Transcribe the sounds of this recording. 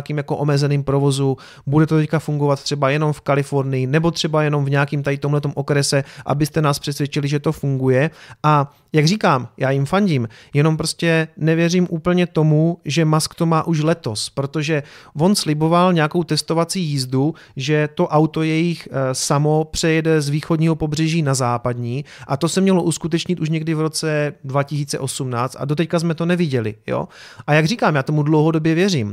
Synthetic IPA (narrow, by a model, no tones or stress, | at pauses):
kiːmjakoʔomɛzɛniːmpɾo̞vo̞zu | budɛt̪ot̪ɛckafuŋɡo̞vat̪̚t̪r̝̥ɛbajɛno̞mfkalɪfo̞ɾnɪjɪnɛbo̞t̪r̥ɛbajɛno̞mvɲɛakiːmt̪adɪt̪o̞mlɛt̪o̞mʔo̞kɾɛsɛʔa̰bɪst̪ɛnaːspr̥ɛsvʲjɛt͡ʃɪlɪʒɛt̪o̞fuŋɡujɛʔa | jaɡr̝iːkaːmjaːjɪmfaɲɟiːmjɛno̞mpɾoscɛnɛvjɛriːmʔuːpl̩ɲɛt̪o̞muʒɛmaskt̪o̞maːʔuʃlɛt̪o̞spɾo̞t̪oʒɛvo̞nslɪbo̞valɲɛjako̞wt̪ɛst̪ovat͡siːjiːzdu | ʒɛt̪o̞ʔawt̪o̞jɛjɪxsamo̞pr̝̥ɛjɛdɛzviːxo̞dɲiːɦo̞po̞br̝ɛʒiːnazaːpadɲiːʔat̪o̞sɛmɲɛlo̞ʔuskut̪̬ɛt͡ʃɲɪt̪uʃ̬ɲɛɡdɪvɾo̞t͡sɛdvacɪs̬iːt͡sɛ̰ʔo̞sumnaːt͡st̪a̰do̞t̪̬ɛckazmɛt̪onɛvɪɟɛlɪ̰jo̰ːʔajaɡriːkaːmjaːt̪o̞mudlo̞wɦo̞do̞bjɛvjɛr̝iːm